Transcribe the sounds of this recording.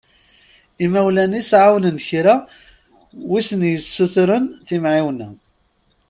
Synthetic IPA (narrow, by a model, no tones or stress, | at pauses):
imæwlænisʕawnənçɾa | wisənjəsːuθɾənθimʕiwnæ